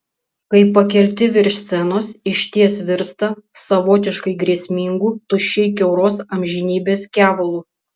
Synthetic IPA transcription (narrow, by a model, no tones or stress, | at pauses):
kɐɪpːɐkʲɛlʲt̪ʲɪʋʲɪɾʲʃʲsʲɛnoːsɪʃʲt̪ʲiɛsʋʲɪɾst̪ɐsɐʋoːt̪ʲɪʃkɐɪɡɾʲiɛsʲmʲɪŋɡuːt̪ʊʃʲɛɪkʲɛʊɾoːsɐmʲʒʲɪnʲiːbʲeːskʲæːʋolˠuː